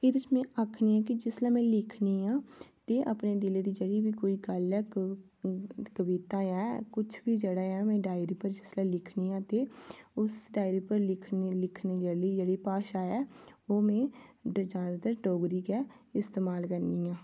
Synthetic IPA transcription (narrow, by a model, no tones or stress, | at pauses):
ɪd̪t͡ʃmɛ̃ːʔaːkʰniːɛ̃ːk̬ɪd͡ʒɪslãːmɛ̃ːlɪkʰniːãːt̪eːʔa̰ːpneːd̪ɪleːd̪iːd͡ʒeːɽiːʋiːkoːiːɡəlɛː | kəbiːt̪ãːɛːkʊt͡ʃʰbiːd͡ʒeːɽaːɛ̃ːmɛ̃ːɖaːɪɾiːpəɾd͡ʒɪslɛ̃ːlɪkʰniːãːt̪eːʊsɖaːɪɾiːpəɾlɪkʰnlɪkʰneːd͡ʒeːɽiːd͡ʒeːɽiːpaːʃaːɛːoːmɛ̃ːd͡ʒaːd̪aːt̪əɾɖoːɡɾiːkɛːɪst̪eːmaːlkəɾniːãː